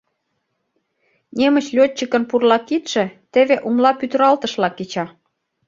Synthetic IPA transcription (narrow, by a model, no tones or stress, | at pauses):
nemə̆t͡ɕlʲot̚t͡ɕːəkə̆npurlɑkit̪ʃĕt̪eβeʔumlɑpyt̪̆ɾɑlt̪ə̆ʃlɑkːet͡ɕɑ